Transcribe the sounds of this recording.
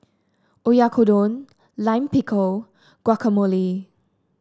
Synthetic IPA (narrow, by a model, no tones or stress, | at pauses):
ujakʰodon | lajmpikʰow | ɡ̥wakʰəmoli